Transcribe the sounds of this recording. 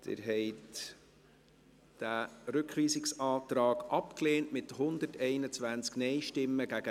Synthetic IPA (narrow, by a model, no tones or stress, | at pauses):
t̪ɪ̰ɾɦɛɪt | d̥æɾʏkχʋiːsɪksɑːt̪ɾɑːɡ̥ʔɑpkleːnʔmɪt̪hʊnd̪əɾtɛɪnət͡sʋænt͡sknɛɪʃtɪmːəɡæɡə